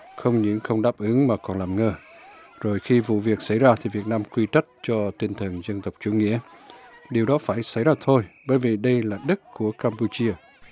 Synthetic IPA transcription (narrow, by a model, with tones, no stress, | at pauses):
xə˧wŋ͡mɲɨ̰˧˥ŋxə˧wŋ͡mɗaː˦˥p̚ʔɨ˨˦ŋmaː˨˩kɔ˨˩nlaː˨˩mŋəː˧zo˨˩jxi˧vṵ˧˨vi˨˩ək̚sa˧˩jzaː˧t̪ʰi˨˩vi˨˩ət̚naː˧mkwi˧t͡ɕə˦˥jt̚t͡ɕɔ˧t̪i˧nt̪ʰə˨˩nzə˧nt̪ə˨˩wk͡p̚t͡ɕu˧˦ŋḭ˧˥əɗi˨˩əwɗɔ˨˦faː˧˩jsa˧˩jzaː˧t̪ʰo˧jɓəː˨˦jvi˨˩ɗə˧jlaː˨˩ɗə˦˥t̚ku˧˩əkaː˧mpu˧t͡ɕi˧ə